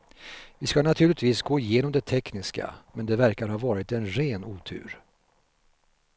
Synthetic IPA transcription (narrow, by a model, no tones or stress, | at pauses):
vɪskanat̪ʰʉ̟ːlɪt̪viːsɡoːɪjeːnɔmd̪ɛt̪ʰɛknɪska̰mɛnd̪ɛvæɾkaɾhɑːvɑːɾɪt̪ɛnɾeːnuːt̪ʰʉ̰ːɾ